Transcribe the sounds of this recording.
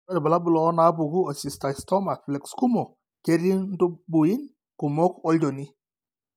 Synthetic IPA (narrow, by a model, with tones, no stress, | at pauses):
a˦ɾba˨la˦bu˨lɔː˨˦na˦bu˨ɡu˦ɔ˨si˨sta˨stɔ˦ma˨flɛ˨ksku˦mɔ˨ | ke˦ɾi˦ŋdu˦bu˨i˦n | ku˨mɔ˦kɔ˦ld͡ʒɔ˨ni˦